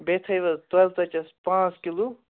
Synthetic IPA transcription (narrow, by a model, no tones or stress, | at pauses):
bet̪ʰɐjʋɐt̪ʋɐlt̪ɐt͡ʃɐspãːt͡skilu